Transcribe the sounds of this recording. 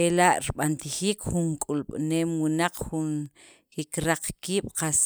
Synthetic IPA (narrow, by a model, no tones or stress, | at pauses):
elaʔɾiɓant̪iχiːkχuŋkʼulɓneːmwinaq͡χχun | kikɾaq͡χkiːɓ̥qas